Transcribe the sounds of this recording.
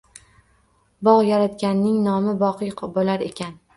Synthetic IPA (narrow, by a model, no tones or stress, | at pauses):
bɒʁjaɾat̪kʲanːɪŋnɒmɪbɒqɨjʰbolaɾe̞kʲʰan